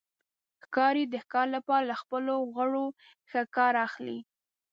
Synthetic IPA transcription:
xkɑɾid̪əxkɑɾlapɑɾalaxpəloɣəɽo | xəkɑɾɑxlḭ

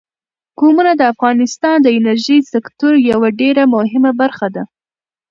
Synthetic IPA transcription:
komunad̪əafɣɑnɪst̪ɑnd̪əɪnaɾʒijsɪkt̪oɾjawaɖeɾamʊɦɪmabaɾxad̪a

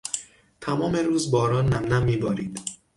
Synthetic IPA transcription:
t̪ʰæmɒːmeɾuːzbɒːɾɒːnːæmnæmːiːbɒːɾiːd̪̥

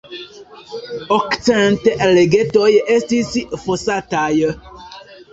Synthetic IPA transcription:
ɔktɛ̃n̩tɛʔɛleɡetɔjɛʔɛstisiʔəfosatajə

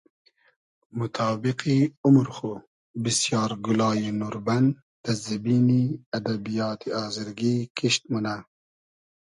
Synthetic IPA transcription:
mʊt̪ʰɑːbiqiʊmɾxu | bisjɑːɾɡulɑːjinuɾban | t̪azɐbiːniad̪abijɑːt̪ʰiɑːziɾɡiːkiʃt̪̚muna

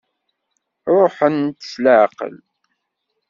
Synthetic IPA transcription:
ɾˤoħənt̪ə̥sləʕqə̰l

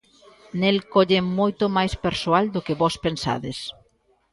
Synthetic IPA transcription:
nelkɔʎemojt̪ʊmajspeɾsoald̪ʊkɪβɔspensa̰ðɪs

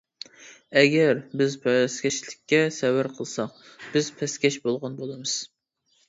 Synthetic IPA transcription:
ɛɡʲɛɾbɪzpʰɛskʲɛʃlɪkʲːɛsɛwæɾqʰəlˠsɑqb̥ɪz̥pʰɛskʲɛʃbolˠʁɑnbolˠɨmɨz̥

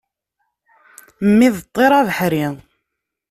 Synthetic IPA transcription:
mːiðt̪ˤːeɾˤavəħɾi

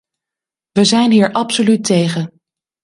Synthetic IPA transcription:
ʋəzɛjnɦiːɹʔɑpsolytejχən

